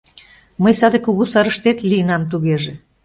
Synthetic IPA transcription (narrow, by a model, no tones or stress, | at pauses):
məjsɑd̪ekuɣusɑɾəʃt̪et̪lijənɑmt̪̬uɣeʒe